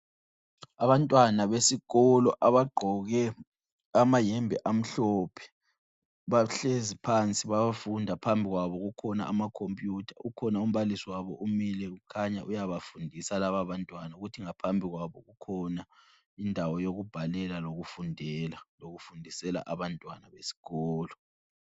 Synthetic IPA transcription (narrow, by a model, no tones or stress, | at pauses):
aβantʼwanaβesiɣɔlɔʔaβaɡ͡ǃʱɔɣɛ | amajɛmbʱɛʔam̩ɬɔpʰɛ̥ | βaɬezipʰant͡sʼiβaβafundʱapʰambʱiɣwaβɔɣukʰɔna̰ʔamakʰompʼjutʰḁʔukʰɔnaum̩βalisiwaβɔʔumilɛɣukʰaɲaʔujaβafundʱisalaβaβantʼwanauɣutʰiŋapʰambʱiɣwaβɔ̰ɣukʰɔna | indʱawɔjoɣub̥ʱalɛlaloɣufundʱɛlaloɣufundʱisɛla̰ʔaβantʼwanaβesi̥ɣɔːlɔ